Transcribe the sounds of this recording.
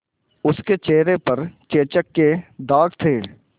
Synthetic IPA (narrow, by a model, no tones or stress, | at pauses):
ʊsket͡ʃeːɦɾepɐɾt͡ʃeːt͡ʃəkːed̪aːɡt̪ʰeː